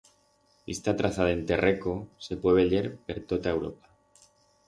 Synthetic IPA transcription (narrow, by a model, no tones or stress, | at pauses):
ḭst̪at̪ɾaθaðaent̪e̞rekose̞pweβeʎeɾpe̞ɾt̪ot̪ae̞wɾo̞̰pḁ